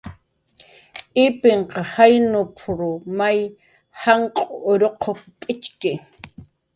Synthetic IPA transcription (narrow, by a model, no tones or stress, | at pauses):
ɪpɪɴqɑhajnʊpʰʊɾʊmaj | haɴqʼoːɾoqʰoppʼɪt͡ʃkɪ